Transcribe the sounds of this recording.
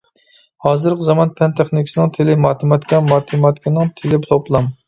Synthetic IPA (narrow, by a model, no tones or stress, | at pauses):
hɑːzɨɾqzɑmɑnpʰɛnt̪ʰɛχnɪkʲi̥sɪnɨŋt̪ʰɪlɪmɑːt̪ʰɨmɑt̪kʲɛmɑːt̪ʰɨmɑt̪kʲinɪŋt̪ʰɪlɪpt̪ʰoplˠɑm